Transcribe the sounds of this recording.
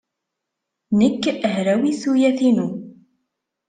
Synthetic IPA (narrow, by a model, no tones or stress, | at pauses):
nəkːəɦɾæwisujæθinu